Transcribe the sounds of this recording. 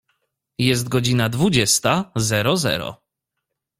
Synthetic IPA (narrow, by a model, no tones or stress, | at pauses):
jɛs̬t̪̚ɡɔd͡ʑinad̪vud͡ʑɛst̪azɛɾɔzɛ̰ɾɔ̰